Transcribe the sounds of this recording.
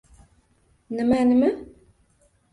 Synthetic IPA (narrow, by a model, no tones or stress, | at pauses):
nəmænəmæ